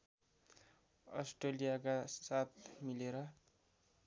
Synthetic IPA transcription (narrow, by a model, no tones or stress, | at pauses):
ʌ̰sʈrelijakasat̪ʰmileɾʌ